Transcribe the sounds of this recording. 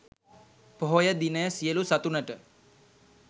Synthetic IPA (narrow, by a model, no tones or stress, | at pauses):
poɦojəd̪inəjəsijəlusat̪unəʈə